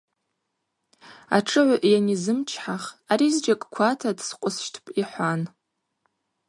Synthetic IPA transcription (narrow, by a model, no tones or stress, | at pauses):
a̰ʈ͡ʂʼɨʕʷaʔjanizɨmt͡ʃʰħaχaɾizd͡ʒakʼkʷʰatʰadsqʷʼʊsʃtʰpʼiħʷan